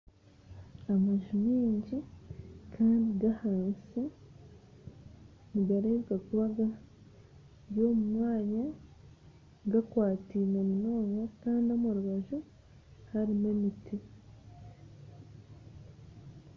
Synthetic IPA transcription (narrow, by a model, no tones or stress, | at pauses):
amaʒumiːɲɟikʰaːndiɡahaːnsi | niɡaɾeβɡakuβaɡa | jo̞mumŋaːɲa | ɡakwaːtiːnomuno̞ːŋɡakaːndiomuɾuβaʒu | haɾimemitʰi